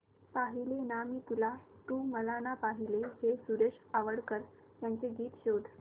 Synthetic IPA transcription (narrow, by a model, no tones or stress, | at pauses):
paɦilenamit̪ulat̪uːməlanapaɦilehesuɾeʂaʋəɽkəɾ | jant͡seɡiːt̪ɕod̪ʱ